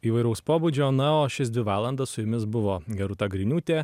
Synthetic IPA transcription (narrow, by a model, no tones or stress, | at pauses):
iːʋɐɪɾɐʊspoːbuːd͡ʒʲoːnɐoːʃʲɪsd̪ʋʲɪʋɑːlˠɐnd̪ɐssʊjʊmʲɪsbʊʋoːɡʲɛɾʊt̪ɐɡɾʲɪnʲuːt̪ʲeː